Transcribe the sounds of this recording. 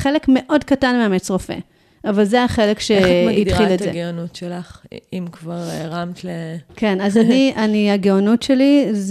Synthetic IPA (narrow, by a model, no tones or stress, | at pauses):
χe̞lekme̞ʔo̞dkatanmeamet͡sʁofḛ | avalzeaχe̞le̞kʃeit̪χilezeɡeonutʃelaχimkvaʁʁamt̪leke̞nazanianiaɡeonutʃeliz